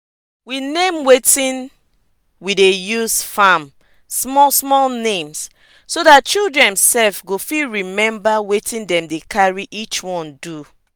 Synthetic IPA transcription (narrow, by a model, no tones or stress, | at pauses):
winẽmwetĩn | widejusfãm | smɔsmɔlnẽms | sodat̚t͡ʃildɹɛ̃nsɛlfɡofiɹimɛ̃mbawetĩndɛ̃mdekʰaɹiʔit͡ʃwɔ̃ndu